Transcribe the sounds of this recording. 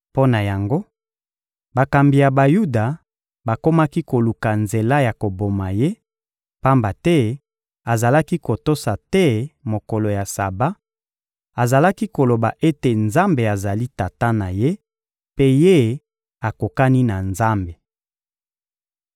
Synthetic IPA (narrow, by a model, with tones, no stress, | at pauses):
po˦na˨ja˨ŋɡo˦ | ba˨ka˨mbi˨ja˨ba˨ju˦da˨ | ba˨ko˦ma˦ki˦ko˨lu˨ka˨nze˨la˦ja˨ko˨bo˨ma˨je˦ | pa˦mba˨tɛ˦ | a˨za˨la˦ki˦ko˨to˦sa˨tɛ˦mo˨ko˨lo˨ja˨sa˨ba˦ | a˨za˨la˦ki˦ko˨lo˨ba˨ʔe˦te˨nza˦mbe˨a˨za˨li˦ta˨ta˦na˨je˦ | pe˦je˦ | a˨ko˨ka˦ni˦na˨nza˦mbe˨